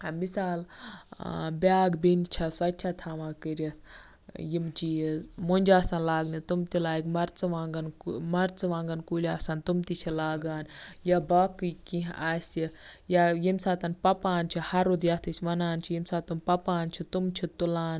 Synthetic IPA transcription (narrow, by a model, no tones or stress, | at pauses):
ɐmisaːl | bʲaːɡbint͡ʃʰɐsɐt͡ʃʰat̪ʰaːʋãːkəɾʲɐt̪ʰ | jimt͡ʃʰimonʲd͡ʒaːsãːnlaːɡnit̪umt̪ilaːɡmɐɾt͡sɨʋaːŋɡɐnmɐɾt͡sɨʋãːŋɡɐnkuːlʲaːsant̪umt̪it͡ʃʰilaːɡaːnjabaːkɨkĩɦʔaːsijajimsaːt̪ɐnpɐpaːnt͡ʃʰihɐɾod̪jat̪ʰit͡ʃʰʋɐnaːnt͡ʃʰijimsaːt̪unpɐpaːnt͡ʃʰit̪umt͡ʃʰit̪ulaːn